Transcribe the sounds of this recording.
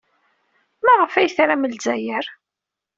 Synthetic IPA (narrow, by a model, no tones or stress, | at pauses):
mæʁəfæjθɾaməlzæjəɾ